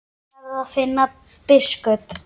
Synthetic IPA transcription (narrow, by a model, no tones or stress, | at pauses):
aðaðfɪnːa | pɪskœp